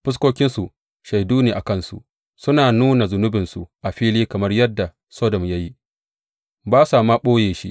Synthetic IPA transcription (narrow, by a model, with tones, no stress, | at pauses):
ɸɪ˦s̬kʷoː˦kʲɪ˦nsu˨ | ʃa˨jduː˦neː˨ʔa˨kɐ˦˨nsṵ˨ | sʊ˦naː˨nuː˦na˨zʊ˨nʊ˦bɪ˨nsu˨ʔa˨ɸiː˦liː˦kɐ˨mɐ˦rjɐ˦dːa˨ | sɔː˦dɔ˨mja˦ji˦ | baː˦sa˨ma˦ɓoː˦jeː˨ʃḭ˦ʔ